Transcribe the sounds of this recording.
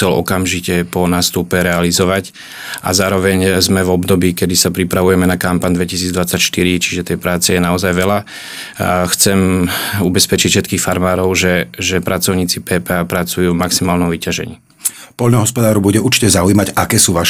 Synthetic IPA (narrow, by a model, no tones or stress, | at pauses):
ɛlɔ̰kamʒicɛpɔnaːst̪upɛɾɛalizɔʋac | ʔa̰zaːɾɔʋɛɲzmɛvɔbd̪ɔbiːkɛd̪isapɾipɾaʋujɛmɛnakampaɲd̪ʋɛcisiːd͡zd̪ʋat͡sːacʃt̪iɾit͡ʃi̥ʒɛt̪ɛjpɾaːt͡sɛjɛnaɔzajʋɛla | xt͡sɛmubɛspɛt͡ʃicfʃɛt̪kiːxfaɾmaːɾɔʊʒɛʒɛpɾʔat͡sɔʊɲiːt͡sipɛːpɛapɾat͡sujuːvmaksimaːlnɔmʋicaʒɛ̰ɲḭː | pɔʎnɔɦɔspɔd̪aːɾɔbuɟɛuɾt͡ʃi̥cɛzaujimacakɛːsuːʋaʃ